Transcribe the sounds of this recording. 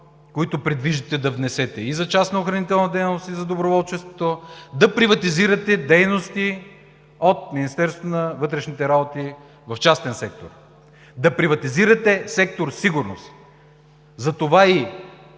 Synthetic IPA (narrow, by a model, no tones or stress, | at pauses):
koit̪ʊpɾɛd̪viʒit̪ɛd̪ɐvnɛsɛt̪ɛizɐt͡ʃasnɐoxɾɐnit̪ɛlˠnɐd̪ɛjnnost̪izɐd̪obɾovɔlˠt͡ʃɛst̪vot̪od̪ɐpɾivɐt̪iziɾɐt̪ɛd̪ɛjnost̪i | ot̪̚minist̪ɛɾst̪vonɐvɤt̪ɾɛʃnit̪ɛɾabot̪i | vɐft͡ʃast̪ɛnsɛk̚t̪o̰ɾ | d̪ɐpɾivɐt̪iziɾɐt̪ɛsɛk̚t̪oɾsiɡuɾno̰st̪ | zɐt̪ovai